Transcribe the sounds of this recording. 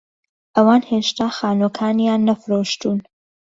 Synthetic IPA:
ʔɐwaːnheːʃt̪aːxaːnokʰaːnjaːnːɐfɾoːʃt̪uːn

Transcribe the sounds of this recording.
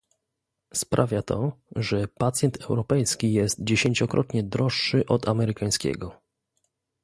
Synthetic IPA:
spɾʔavʲjat̪ʰɔʐɛpat̪sʲjɛnt̪ʰɛwɾɔpɛjskʲijɛst̪̚d͡ʑeɕeɲt͡ɕɔkɾʔɔ̰t̪ɲɛd̪ɾɔʂːɘʔɔd̪amɛɾɘkaj̃skʲɛ̰ɡɔ

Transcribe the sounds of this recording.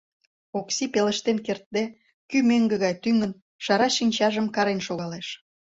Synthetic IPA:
oksipelə̆ʃt̪enkert̪̚d̪e | kymøŋɡə̆ɣɑjt̪yŋən | ʃɑɾɑʃinʲt͡ɕɑʒəmkɑɾenʃoɣɑleʃ

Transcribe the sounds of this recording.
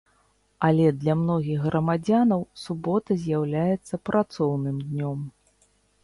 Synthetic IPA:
ɐlʲɛd̪lʲamnɔɣʲiɣɣɾʔɐmad͡zʲanɐwsubɔt̪ɐzʲjawlʲajɛt̪sːɐpɾʔat̪sɔwnɨmd̪nʲɔm

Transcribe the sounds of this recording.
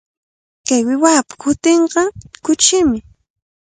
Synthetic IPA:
kajwɪwaːpḁkʊt̪eɴɢɑkʊt͡ʃɪmɪ

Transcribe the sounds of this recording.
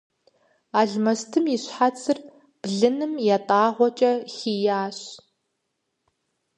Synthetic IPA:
aːɮmɐstʰɨmjiɕħat͡sʼɨr | b̥ɮɨnɨmjatʼaːʁʷɔt͡ʃʼɐxiːjaːɕ

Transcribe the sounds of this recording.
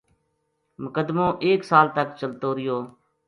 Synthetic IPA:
mʊkəd̪mõːʔeːksaːlt̪əkt͡ʃəlt̪oːɾɪjoː

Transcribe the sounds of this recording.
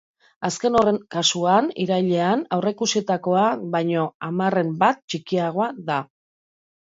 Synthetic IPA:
aske̞no̞reŋkasuanḭɾajʎe̞anawrekusit̪ako̞aβajɲo̞amare̞mbat̪̚t͡ʃikiaɣ̞o̞aða

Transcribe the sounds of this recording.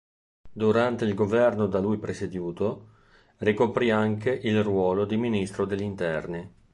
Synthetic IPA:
d̪uɾant̪eilɡovɛrnod̪alujpɾesed̪juːt̪o | rikopɾiaŋkeʔilrwɔːlod̪iminist̪ɾod̪elʎːint̪ɛrni

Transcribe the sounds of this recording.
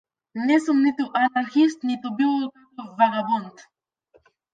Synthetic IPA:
nɛsumnit̪uʔanaɾxist̪nit̪ubilˠokak̪ɔvaɡabɔnt̪

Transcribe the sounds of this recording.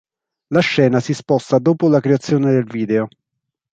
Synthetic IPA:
laʃːɛːnasispɔst̪ad̪oːpolakɾeat̪sːjoːned̪elviːd̪eo

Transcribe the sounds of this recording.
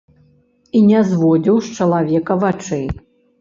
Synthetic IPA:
inʲɛzvɔd͡zʲiwʂt͡ʂɐlˠavʲɛkɐvat͡ʂɨ

